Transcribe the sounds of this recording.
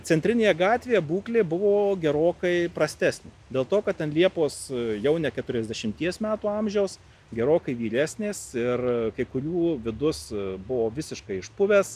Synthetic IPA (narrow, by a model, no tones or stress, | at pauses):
t͡s̪ʲɛnʲt̪ʲɾʲɪnʲeːjɛɡɑːt̪ʲʋʲejɛbuːklʲeːbʊʋoːɡʲɛɾoːkɐɪpɾɐsʲt̪ʲæːsʲnʲeːd̪ʲeːlˠt̪oːkɐt̪̚tʲɛnlʲiɛpoːsjɛʊnʲɛkʲɛt̪ʊɾʲɛzʲdʲɛʃʲɪmʲt̪ʲiɛsmʲæːt̪uːɑmʲʒʲɛʊs | ɡʲɛɾoːkɐɪʋʲiːɾʲæːsʲnʲeːsɪrkɐɪkʊɾʲuːʋʲɪd̪ʊsbʊʋoːʋʲɪsʲɪʃkɐɪɪʃpʊʋʲɛs